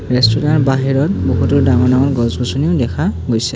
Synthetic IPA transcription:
ɹɛstuɹanbaɦiɹɔt̚bukʰutuɹdaŋɔɹnaŋɔɹɡɔzbɔsuniʊdɛkʰaɡojsɛ

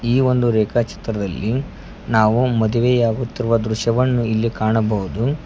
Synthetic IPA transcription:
iːʋo̞nd̪uɾɛːkat͡ʃi̥t̪ɾɐd̪ɐlːi | naːʋumɐd̪uʋejaːɡut̪ːiɾuʋɐd̪ɾuʃjɐʋɐnːuilːikaːɳɐbɐɦud̪u

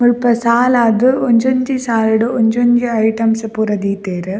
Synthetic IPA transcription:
mʊɭpɐsaːlaːd̪ɯɔɲd͡ʒoɲd͡ʒisaːlɪɽɯʔɔɲd͡ʒoɲd͡ʒɯɐjʈɐmspʊɾɐd̪iːt̪eːɾɯ

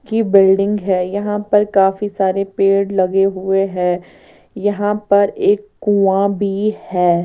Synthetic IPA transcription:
kibɪlɖɪ̃ŋɡɦɛːjɐɦãpɐɾkaːfisaːɾepeːɽlɐɡeɦʊeɦɛ̃ː | jɐɦãpɐɾeːkːuːãbʱihɛː

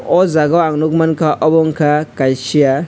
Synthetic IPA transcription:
ɔzaɡaaŋnukmankaʔɔbɔŋkakajʃia

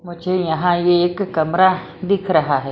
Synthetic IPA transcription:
mũt͡ʃʰejãɦãjekɨkamɾa | d̪ikʰɾaɦaɦe

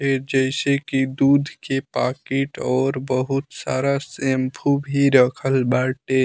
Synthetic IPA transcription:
eɾd͡ʒəɪsekid̪uːd̪ʱkepaːkeʈɔːɾbəɦut̪saːɾasembʰubʱiɾəkʰəlbaʈe

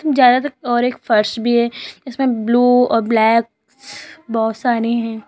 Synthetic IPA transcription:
mzjaːd̪at̪ɐk̚ɔːɾeːkfɐɾʃbʱiɦɛd͡ʒɪsmẽbluːɔ̰ːɾblɛːk̚ | bɔʊt̪saːɾiɦɛ̃ː

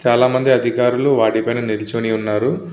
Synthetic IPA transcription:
t͡ʃaːlaːmɐnd̪iɐd̪ʱikaːɾuluʋaːɽipɐjnɐnilit͡ʃoniunːaːɾu

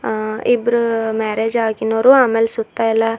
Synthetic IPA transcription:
ibɾumɛːɾeːd͡ʒaːɡinoːɾuaːmeːlsut̪ːaɛlːa

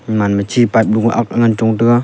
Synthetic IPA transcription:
manmət͡ʃʰipap̚ɗuk̚maʔak̚aŋant͡ʃɔŋtɯka

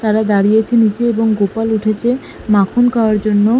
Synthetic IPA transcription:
t̪aɾad̪aɾijet͡ɕʰenit͡ɕeeboŋɡopaluʈʰet͡ɕʰe | makʰonkaoaɾd͡ʑonːo

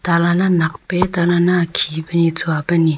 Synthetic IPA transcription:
t̪alananaχpet̪alanakʰipənit͡sʰoapəni

